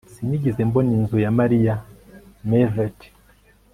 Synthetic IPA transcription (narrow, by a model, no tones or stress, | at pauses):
siɲiɟizemboninzujamaɾijamevet